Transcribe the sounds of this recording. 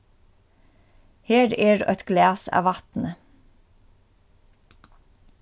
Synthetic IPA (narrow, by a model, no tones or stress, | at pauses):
heːɾeːɹʔœt̪ɡlæːsɑ̰ːʋɑt̪nə